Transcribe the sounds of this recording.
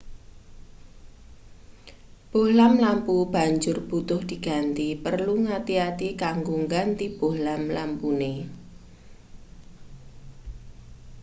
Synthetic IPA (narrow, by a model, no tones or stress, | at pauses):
b̥olamlampub̥a̤ɲd͡ʒʊrb̥ut̪ʊhd̪̥i̤ɡ̥a̤nt̪ipərluŋat̪iat̪ikaŋɡuŋɡant̪ib̥ohlamlampune